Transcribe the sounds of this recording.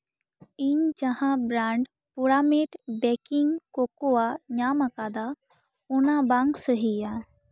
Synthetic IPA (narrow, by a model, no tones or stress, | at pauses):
iɲd͡ʒəhãbɾaːɳɖ | puɽameʈbɛːkɪŋɡkokoaɲaːməkaːd̪a | ʊnabaŋɡsəɦija